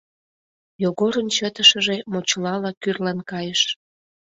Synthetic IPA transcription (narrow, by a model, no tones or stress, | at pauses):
joɣoɾənt͡ɕət̪əʃəʒe̽mot͡ɕlɑlɑkyrlɑnkɑjəʃ